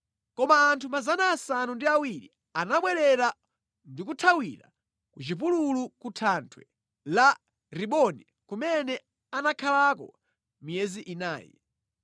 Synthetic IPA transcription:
kɔmaːntʰumazanaːsanundiawiɾi | anaɓwɛɾɛɾa | ndikutʰawiɾa̰ | kut͡ʃip̬ululukutʰantʰwɛ | la | ɾiɓɔni | kumɛnɛ | anakʰalakɔ̰ | mijɛziʔina̰ːjɛ̰

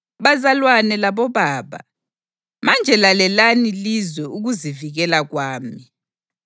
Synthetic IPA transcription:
βazalwanɛlaβɔβaːβa̰ | mand͡ʒʱɛlalɛlanilizwɛuɣuziviɣɛlaɣwaːmi

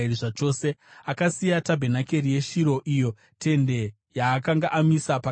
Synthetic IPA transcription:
iriʐat͡ʃo̞ːse̞akasijatabʱe̞nake̞ɾije̞ʃiɾo̞ʔijo̞ | tʰe̞nde̞ | jaːkaŋɡaʔamisapa

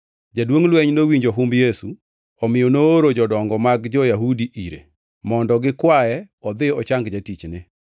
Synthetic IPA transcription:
d͡ʒadwoŋlweɲnowiɲd͡ʒoɦumbjesu | ɔmɪjɔnoːɾod͡ʒɔdɔŋɡɔmaɡd͡ʒɔjaɦudiʔiɾḛ | mɔndɔɡɪkwaɛ | ɔd̪ɪɔt͡ʃaŋɡd͡ʒatit͡ʃnɪ

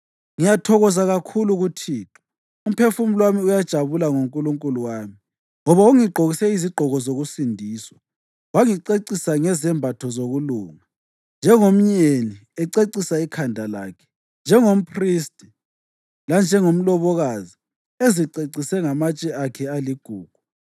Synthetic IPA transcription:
ŋijatʰɔɣɔzaɣakʰuluɣutʰiːtʰḁ | um̩pʰefum̩lwamiujad̥ʒ̥ʱaβulaŋoŋkʼuluŋkʼuluwaːmi | ŋɔβauŋiɡ͡ǃʱoɣisɛiziɡ͡ǃʱɔɣɔzoɣusindʱiːswa | waŋiǀeǀisaŋɛzɛmbʱatʰɔzoɣuluːŋa | nd͡ʒʱɛŋom̩ɲeniɛǀeǀisaikʰandʱala̰ːkʰɛ̥ | nd͡ʒʱɛŋom̩pʰristʼi | land͡ʒʱɛŋom̩lɔβɔɣazi | eziǀeǀisɛŋamat͡ʃʼɛakʰɛaliɡ̥ʱuːɡ̥̚ʱu̥

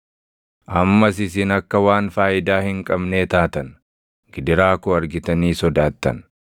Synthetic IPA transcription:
ʔɐmːɐsɪs̬ɪnɐkːɐwaːnfaːʔɪd̪aːhɪŋkʼɐbne̞ːt̪aːt̪ɐn | ɡ̥ɪd̪ɪɾaːkɔɐɾɡɪt̪ɐniːsɔd̪aːt̪ːɐ̰n

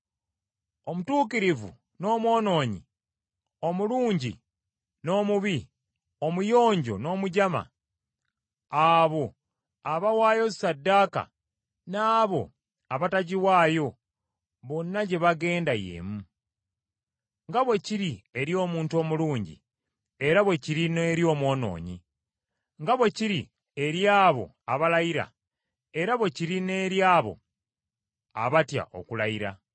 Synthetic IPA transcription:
o̞mutuːkiɾivṵ | no̞ːmwo̞ːno̞ːɲḭ | o̞muluːɲɟḭ | no̞ːmuβi | o̞mujo̞ːɲɟo̞̰no̞ːmuɟama̰ | aβo̞ | aβawaːjo̞sadːaːka̰ | naːβo̞̰ | aβataɟiwaːjo̞ | βo̞nːaɟe̞βaɡe̞ːndajḛːmu | ŋɡaβwe̞ciɾie̞ɾjo̞ːmuːntuo̞ːmuluːɲɟḭ | e̞ɾaβwe̞ciɾineɾjo̞ːmwo̞ːno̞̰ːɲḭ | ŋɡaβwe̞ciɾi | e̞ɾjaːβo̞̰ | aβalaiɾa̰ | e̞ɾaβwe̞ciɾine̞ːɾjaːβo̞̰ | a̰βatja̰ʔo̞̰kulajiɾa̰

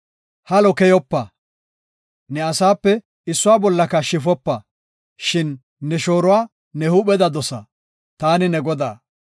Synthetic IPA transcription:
hɐlɔkɛjɔpːɐ | nɛɐsaːpːɛ | ɪsːʊwaːbɔlːɐkɐʃɪfɔpːɐ | ʃɪnː | ɛʃo̞ːɾʊwaː | nɛhuɓɛd̪ɐd̪ɔsɐ̰ | t̪aːnɪnɛɡɔd̪a̰ː

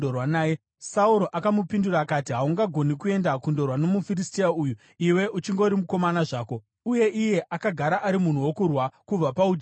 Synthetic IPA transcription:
orwanaːje | sauɾo̞ʔakamupinduɾaːkatiɦauŋɡaɡʱo̞nikue̞ndakundo̞rwano̞mufiristiauju | iwe̞ʔut͡ʃiŋɡo̞ɾimuko̞manaʐaːko̞ | uje̞ʔije̞ʔakaɡʱaɾaʔaɾimun̤uwo̞kurwakub͡vapaud͡ʒ

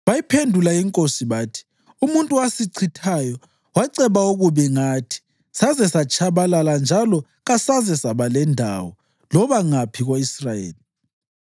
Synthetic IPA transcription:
βajipʰendʱulaiŋkʼosiβaːtʰi̥ | umuntʼuwasiǀʰitʰajɔ | waǀɛβauɣuβɛŋatʰi̥ | sazɛsat͡ʃʼʰaβalaland͡ʒʱalɔ | ɣasazɛsaβalɛndʱa̰wɔ | lɔβaŋapʰiɣoisrajḛːli

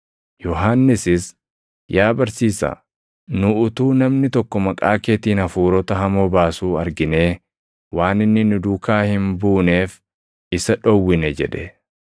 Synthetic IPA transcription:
jɔɦanːɪsɪs | jaːbɐɾsiːsɐ̰ | nʊʊt̪uːnɐmnɪt̪ɔkːɔmɐkʼa̰ːkeːt̪iːnɐfuːɾɔt̪ɐɦɐmoːbaːsuːɐɾɡɪne̞ː | waːnɪnːɪnʊd̪uːkaːhɪmbuːne̞ːf | ɪsɐᶑɔwːɪnɛd͡ʒɛ̰ᶑɛ

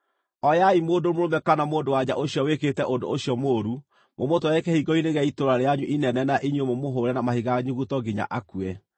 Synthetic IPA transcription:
ɔjaimoːdomoɾomɛkanamoːndowad͡ʑaʔoɕjɔweketɛʔodo̰oɕijɔmoːɾu | momotoɛkɛhiɡɔineɣɛitoɾaɾeaɲuʔinɛnɛnaʔiɲwemomoɦoɾɛnamahiɣaɲuɣutɔɡiɲa̰ʔakuɛ

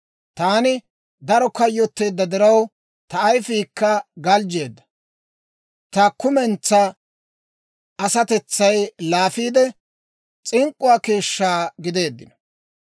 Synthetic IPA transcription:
t̪aːnɪ | d̪ɐɾɔkɐjːɔt̪ːe̞ːd̪ːɐd̪ɪɾɐw | t̪ɐːjfiːkːɐɡɐld͡ʒe̞ːd̪ːɐ̥ | t̪ɐkʊmɛnt͡sːɐ | ɐsɐt̪ɛt͡sːɐjlaːfiːd̪ɛ | t͡sʼɪŋkʼːʊwaːke̞ːʃːaːɡɪd̪e̞ːd̪ːɪnɔ̥

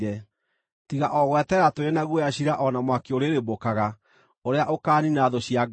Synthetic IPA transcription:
ɾɛ | tiɣaʔɔɣwɛtɛɾatoɾenaɣujaɕiɾaʔɔnamwakeoɾeɾebokaɣa | oɾeaʔokaːninaðoɕiaɡ

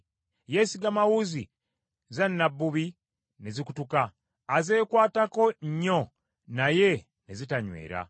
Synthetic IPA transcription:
jesiɡamawuzi | zanːabːuβi | nezikutukaː | ze̞ːkwaːtako̞ɲo̞ | naje̞ | nezitaɲwe̞̰ːɾa̰

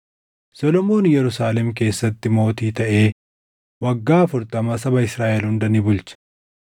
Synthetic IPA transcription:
sɔlɔmo̞ːnjɛɾʊsaːlɛmk̬e̞ːsːɐt̪ːɪmo̞ːt̪iːt̪ɐʔe̞ː | wɐɡːaːfʊɾt̪ɐmɐsɐbɐɪsɾaːʔɛlhʊnd̪ɐnɪbʊlt͡ʃɐ̥

